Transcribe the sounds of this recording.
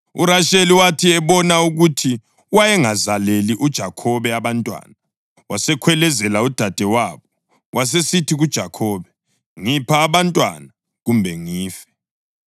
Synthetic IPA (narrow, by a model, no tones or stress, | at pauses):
uɾaʃeliwatʰiɛβɔnauɣutʰi | wajɛŋazaleliʔud̥ʒ̥ʱakʰɔβɛaβantʼwa̰ːna | wasɛkʰwɛlɛzɛlaud̥ʱad̥ʱɛwaːβɔ | wʔas̬esitʰiɣud̥ʒ̥ʱakʰɔːβɛ | ŋipʰaːβantʼwa̰na | ɣumbʱɛŋiːfɛ̥